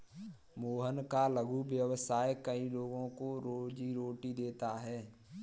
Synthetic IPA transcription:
moːɦənkaləɡuʋjəʋsaːjkəiloːɡõkoɾoːd͡ʒiɾoːʈid̪eːt̪aɦɛː

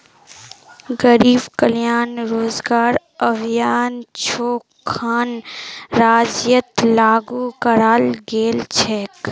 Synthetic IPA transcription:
ɡəɾiːbkəljaːnɾoːzɡaːɾ | ɐʋjaːnt͡ʃʰoːkʰːaːnɾaːd͡ʒjət̪laːɡuːkəɾaːlɡeːlt͡ʃʰeːk

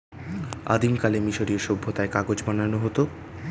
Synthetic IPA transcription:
a̰d̪imkalemiʃoɾioʃobʱːot̪aekaɡod͡ʑbananoɦot̪o

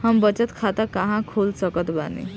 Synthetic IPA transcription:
hambət͡ɕət̪kʰat̪akaɦãkʰolsəkət̪ba̰nḛ

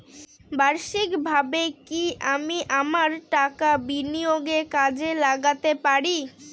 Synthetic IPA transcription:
baɾʃikbʱabekiʔamiʔamaɾʈakabinioɡekad͡ʑelaɡat̪epaɾi

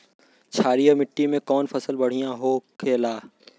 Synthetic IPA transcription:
t͡ʃʰaːɾijamɪʈːimẽkɔːnfɐsəlbɐɽ̤ijãɦoːkʰeːlaː

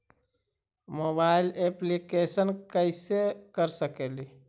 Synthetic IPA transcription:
mobaɪileplikesənkəɪsekəɾsəkeli

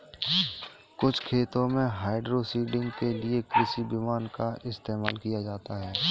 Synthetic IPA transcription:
kʊt͡ʃʰkʰeːt̪õmẽɦaːɪɖɾosiːɖɪ̃ŋɡkelɪekɾɪsibɪmaːnkaɪst̪eːmaːlkijad͡ʒaːt̪aɦɛː

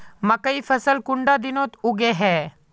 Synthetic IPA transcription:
mɐ̃kəiːfʰɐsəlkʊɳɖaːd̪ɪnõt̪ʊɡeːɦɛː

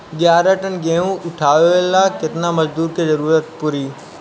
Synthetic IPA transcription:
ɡjaːɾəʈənɡeũʔʊʈʰaːʋeelaːkɪt̪ɪnamɐzd̪uːɾkezɐɾuːɾət̪̚pʊɾiː

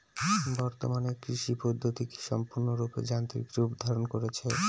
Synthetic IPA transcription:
bɔɾt̪o̰maneɾkɾiʃipod̪ʱːot̪ike̥ʃɔmpuɾnoɾupḛd͡ʑant̪ɾḭkɾupd̪ʱaɾonkoɾet͡ɕʰe

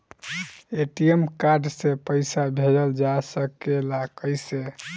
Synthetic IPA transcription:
eʈijemkaɾɖsepəɪsabʱeləld͡ʒasəkelakəjse

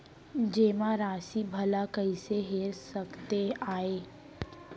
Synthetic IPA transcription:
d͡ʒeːmãɾaːsibʱɐlakɐiseɦeːɾsɐkt̪eaːeː

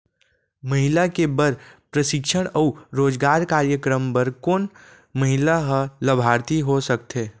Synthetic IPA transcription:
məɦɪlakebəɾpɾəʃɪkʃəɽ̃əuɾoːd͡ʒɡaːɾkaːɾjəkɾəmpəɾkoːn | məɦɪlaɦələbʱaːɾt̪iɦosək̚t̪ʰeː

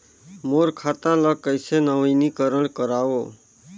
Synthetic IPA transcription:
moɾkʰat̪ãləkəjsenəʋənikəɾəɳkəɾaʋoː

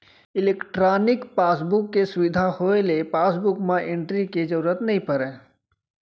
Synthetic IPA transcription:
ɪleːkʈɾaːnɪkpaːsbʊkːesʊʋɪd̪ʱahoːelepaːsbʊkmãʔẽɳʈɾiked͡ʒəɾuːɾət̪nɐɦĩpəɾɛ̃ː

